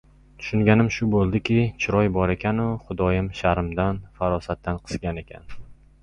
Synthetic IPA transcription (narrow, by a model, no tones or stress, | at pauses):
t̪ʰʊ̥ʃʊŋɡʲanɪmʃʊbolˠd̪ɪkʲɪt͡ʃʰɪɾɒjbɒɾe̞kʲʰanʊχʊd̪ɒjɪmʃaɾɪmd̪anfaɾɒsat̪ːanqʰɨ̥zɡʲane̞kʲʰa̰n